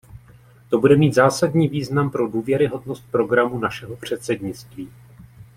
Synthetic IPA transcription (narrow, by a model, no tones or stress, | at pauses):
t̪o̞budɛmiːt̪zaːsadɲiːviːznampɾo̞duːvjɛɾɪɦo̞dno̞st̪̚pɾo̞ɡɾamunaʃɛɦo̞pr̝̥ɛt̪sɛdɲɪt͡st̪viː